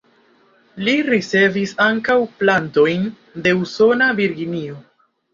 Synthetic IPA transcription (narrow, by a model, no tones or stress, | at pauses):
liɾit͡se̞visaŋkawplanto̞jn | de̞uso̞naviɾɡinio̞